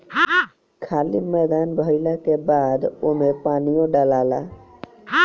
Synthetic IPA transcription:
kʰaːlimɛːd̪aːnbʱəɪlakebaːd̪oːmẽpaːnijõɖalaːlaː

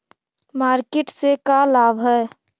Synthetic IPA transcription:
maːɾkeʈsekalaːbʱɦɛ

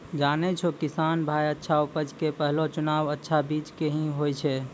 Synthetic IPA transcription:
d͡ʒanɛt͡ʃʰokisanbʱajətːʃʰaupəd͡ʒkepəɦlot͡ʃʊnaʋətːʃʰabit͡ʃkeɦĩɦojt͡ʃʰɛ

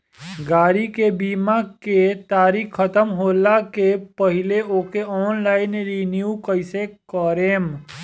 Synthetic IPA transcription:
ɡaːɾikebiːmaket̪aːɾikʰːət̪əmɦoːlakepəɦɪleoːkeɔːnlaːɪnɾinjuːkəɪsekəɾeːm

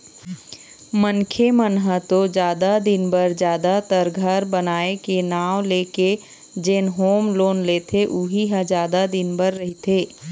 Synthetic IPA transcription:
mənkʰemənɦət̪od͡ʒaːd̪ad̪ɪnbəɾd͡ʒjaːd̪at̪əɾɡʱəɾbənaːekenaːwleːke | d͡ʒeːnɦoːmloːnleːt̪ʰeʔuɦiɦə̃d͡ʒaːd̪ad̪ɪnbəɾːəɦit̪ʰeː

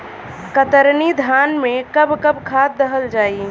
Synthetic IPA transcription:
kət̪əɾnid̪ʱanmẽkəbkəbkʰat̪̚ːəɦəld͡ʒaːi

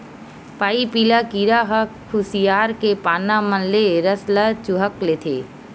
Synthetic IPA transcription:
paːipiːlakiːɾaɦəkkʰːʊsijaːɾkepaːnamənleɾəslat͡ʃuɦəklet̪ʰḛː

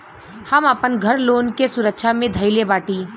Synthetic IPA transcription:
hɐməpənɡʱəɾloːnkesʊɾəkʃamẽd̪ʱɐɪlebaːʈiː

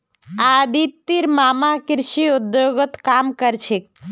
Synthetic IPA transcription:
ad̪it̪ːiɾmamakɾʃiud̪joɡət̪kamkəɾt͡ʃʰek̚

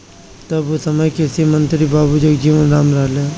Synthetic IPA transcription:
t̪ɐbusɐməjkesimənt̪ɾibaːbud͡ʒoɡd͡ʒiːʋənɾaːmɾaːlea

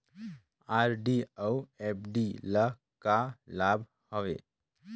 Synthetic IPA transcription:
aɾɖiəuep̚ʰɖilə | kalabʱ | hɔʋḛ

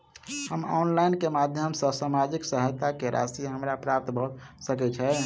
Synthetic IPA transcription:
həmɔ̰nlainkemad̪ʱjəmsə̃samad͡ʒiksəɦət̪akeɾa̰siɦəmɾapɾap̚t̪bʱɔut̪səkɛt͡ʃʰɛ

